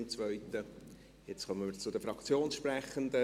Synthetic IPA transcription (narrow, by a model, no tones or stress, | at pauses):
mt͡svœʏt̪ə | jɛt͡skʰœmənməɾt͡sʊdəfɾɑkt͡sjoːnsʃprɛχənd̪ə